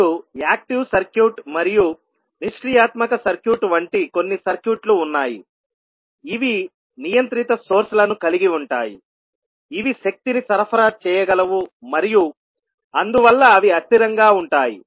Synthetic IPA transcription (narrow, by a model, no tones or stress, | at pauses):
uaːk̚ʈiʋsɐɾkjuːʈmɐɾiju | niʂʈijaːt̪mɐkɐsɐɾkjuːʈʋɐɳʈiko̞nːisɐɾkjuːʈluːnːaːjḭː | ʋi | nijɐnt̪ɾit̪ɐsoːɾsɐlɐnukɐliɡiuɳʈaːji | iʋiʃɐk̚t̪inisɐɾɐpʰɐɾaːt͡ʃɛːjɐɡɐlɐʋumɐɾiju | ɐnd̪uʋɐlːɐːʋiɐt̪ːiɾɐŋɡaːuɳʈaːjḭ